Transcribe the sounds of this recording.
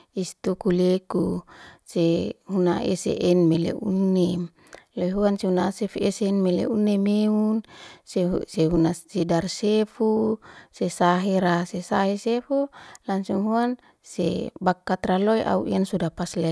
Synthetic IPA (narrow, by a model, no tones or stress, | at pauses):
ist̪ukulekusehuna̰ḛsḛʔɛnmelḛʔṵnːem | loiɦuanseunasefesenmelḛunːemeunseseɦunasedarsefusesaɦeɾasesaɦesefulansuŋɦuan | sḛbakːat̪raloiʔa̰ṵʔiansudapaslɛ